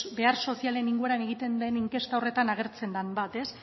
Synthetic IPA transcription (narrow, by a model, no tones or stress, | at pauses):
be̞arso̞siale̞niŋɡue̞ɾane̞ɣ̞it̪e̞nd̪e̞niŋke̞st̪aore̞t̪anaɣe̞ɾt͡se̞nd̪ambat̪e̞s